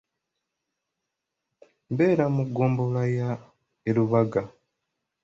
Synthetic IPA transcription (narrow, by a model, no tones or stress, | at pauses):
mbe̞ːɾamuɡːoːmbolaja | eluβaɡa